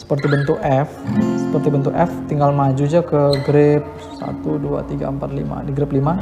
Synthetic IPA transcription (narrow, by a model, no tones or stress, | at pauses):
sə̥pərt̪ibənt̪ʊkɛfsə̥pərt̪ibənt̪̬ʊkɛft̪iŋɡalmad͡ʒud͡ʒakəɡɾɪp̚ | sa̰t̪udua̰t̪iɡa̰əmpat̪̚lḭma̰diɡɾɪplima